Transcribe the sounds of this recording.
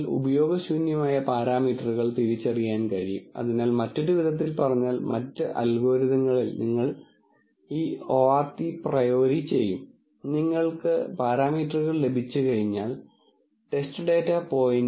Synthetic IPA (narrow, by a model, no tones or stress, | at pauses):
lṵbɐjo̞ːɡɐsuːnjɐmaːjɐpaːɾaːmiːʈrɨɣɐɭt̪iɾit͡ɕːɐrijaːnkɐɻijṵmɐ̰ðinaːlmɐtːudiʋiðɐt̪̬ːilpɐrɐɲːaːlmɐ̰tːɨʔɐ̰lɡoːɾiðɐŋːɐɭilniŋːɐɭ | iːoːart̪iprɐjoːɾit͡ɕe̞jːum | niŋːɐɭkɨ̰paːɾaːmiːʈrɨɣɐɭle̞bʱit͡ɕːɨkɐɻiɲːaːl | ʈe̞stɨɖeːtːapo̞ːjn